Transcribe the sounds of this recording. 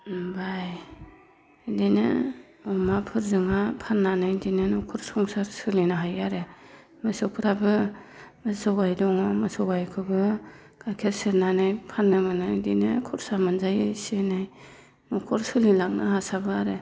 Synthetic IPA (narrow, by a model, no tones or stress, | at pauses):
baj | dinɯ̰ | ɔmapʰɯɾzɯŋapʰanːanajdinɯnɔkʰɔɾsɔŋsaɾsɯlinaɦajaɾe | mɯsɯwpʰɯɾabɯmɯsɔɡajdɔŋɔmɯsɔwajkʰɯbɯ | ɡ̥akʰeɾseɾnanajpʰanːɯmɯnɯjdinɯkʰɔɾsamɯnzajɯsenaj | nɔkʰɔɾsɯlilaŋ̚nahasabɯaɾe